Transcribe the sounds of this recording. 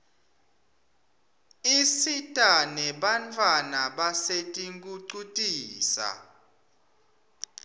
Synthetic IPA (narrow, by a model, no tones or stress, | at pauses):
isitʼanɛɓant͡fʰʼwanaɓasetʼiŋkʼuǀutʼiːsa̰